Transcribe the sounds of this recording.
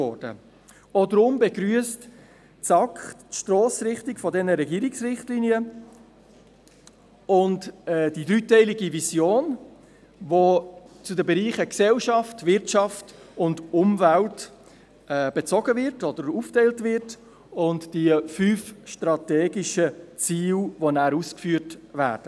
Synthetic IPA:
ɔɾd̥ə̰ | odəɾʊmbɛɡɾyəst | t͡sɑkχtʃtɾɔːsɾɪχtɪkfɔdɛnəɾɛɡiːəɾiksɾɪχtliniə | ʊntɛd̥idɾyːtɛɪliɡivisjoːn | vot͡sudəbɛɾiːχəksɛlʃɑftvɪɾtt͡ʃɑftʊndʊmvælt | ɛb̥ɛt͡sɔɡəvɪɾtɔd̥̪əɾuːftɛɪltvɪɾt | ʊntd̥iəfyːfʃtɾɑtɛːɡiʃət͡siːlvonæːɾuːskfyːəɾtvæːɾd̥ə

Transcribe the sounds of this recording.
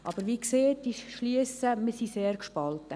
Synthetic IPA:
ʔɑ̰b̥əɾʋiːkseːt̚iʃliəsəməsiseːrkʃpɑlt̪ə

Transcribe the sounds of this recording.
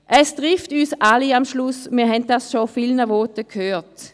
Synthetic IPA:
ʔɛstʁɪftyːsaliamʃlʊsmiːɐɦɛnt̚dasʃofiːlnəvɔtəkʰhøːt

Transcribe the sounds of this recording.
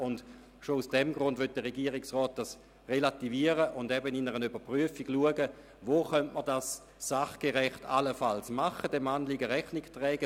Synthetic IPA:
ʊnd | ʃousd̥ɛmɡʁʊndʋøt̚d̥əʁeɡiːəʁiksʁɔːt̚d̥as | ʁelativiːəʁəʔʊndɛbənɪnəʁənybɐpʁyəfiɡluəɡə | voːχœntməʁdas | saχɡ̥eʁɛχtʰa̰ləfalsmaχəd̥ɛmanliɡəʁɛχnɪktʁɛːɡə

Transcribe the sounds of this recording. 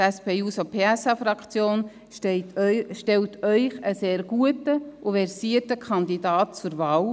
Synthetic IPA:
tɛspeːuːsopʰeːɛsɑfɾɑkʰt͡sjoːn | ʃtɛltʰœʏχəseːɾɡ̥uətəʔʊvɛɾsiətəkʰɑnd̪idɑːt̚t͡sʊɾvɑːl

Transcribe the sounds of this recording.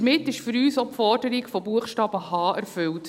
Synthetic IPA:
mɪtɪʃfʏɾyːsopfɔɾdəɾikfobuəχʃtɑːb̥əhɑːʔæɾfʏlt

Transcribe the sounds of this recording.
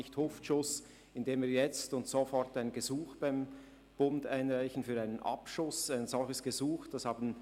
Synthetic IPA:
ɪçthʊftʃʊs | ɪndeːmviːjɛt͡stʊntsofɔɾtaɪnɡəzuːxb̥aɪm | b̥ʊndaɪnʁaɪçn̩fyːʁaɪnənʔɑ̰pʃʊsaɪnz̥ɔlçəsɡ̥əzuːxd̥ɑshɑːbn̩

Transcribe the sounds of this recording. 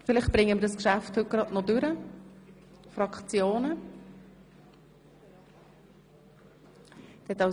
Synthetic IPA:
fɪlɪχtb̥ɾɪŋːəmɪɾdəskʃæfthɵt̚ɡ̥ɾɑdnɔdʉɾə | fɾɑkt͡sjoːnə | d̥ɛt̪ɑ

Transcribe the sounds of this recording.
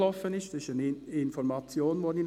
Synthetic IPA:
lɔfənɪstɪsanɪnfɔɾmɑt͡sjoːnmodin

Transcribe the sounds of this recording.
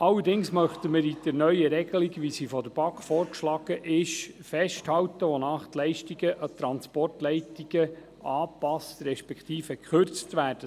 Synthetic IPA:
ɑlːəɾdɪŋsmœχt̪əməɾid̥əɾnœʏəɾɛɡ̥əliɡʋisifɔdəɾb̥ɑkfɔːɾkʃlɑːɡ̥əʔɪʃfɛʃthɑwt̪əʋonɑːχt̪lɛɪʃtiɡəʔɑt̪ɾɑnspɔrtlɛɪtiɡ̥ə | ɑːpɑst̪ɾɛʃpɛkt̪iːfəkχørt͡stʋæːrd̥ə

